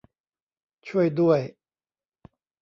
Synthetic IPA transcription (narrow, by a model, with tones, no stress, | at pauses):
t͡ɕʰwe˥˧ɪt̪we˥˩ɪ